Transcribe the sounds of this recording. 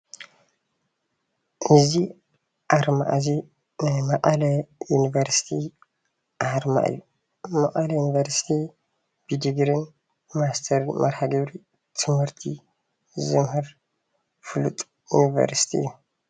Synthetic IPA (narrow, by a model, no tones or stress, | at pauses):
nɨzi | ʔaɾma̰ʔzi | nɨmɐʔʼɐlɐjunivɐɾsi̥t̪ʰi | ʔaɾma̰ʔɨ̰jːu | maʔʼɐlɐjunivɐɾsi̥t̪ʰi | bɨd̪ɨɡɾɨn | mast̪ʰɐɾmʔɐɾhaɡɐβɾi | t̪ʰɨmhɨɾt̪ʰi | zɨmɦɨɾ | fɨlut̪ʼ | jṵnivɐ̰ɾsi̥t̪ʰiɨ̰jːu